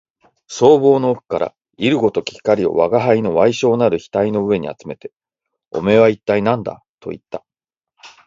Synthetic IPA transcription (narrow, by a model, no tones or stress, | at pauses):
so̞ːbo̞ːno̞ːkɯ̟̥kaɾa̰ | iɾɯ̟ɡo̞t̪o̞kʲi̥kːaɾʲio̞̰βaɡaɦaino̞βaiɕo̞ːnaɾɯ̟çi̥t̪aino̞ɯ̟e̞ɲ̟ḭa̰t͡sɨme̞t̪e̞ | o̞̰me̞βait̪ːainãnd̪a̰ | t̪ʰo̞̰ḭt̪ːa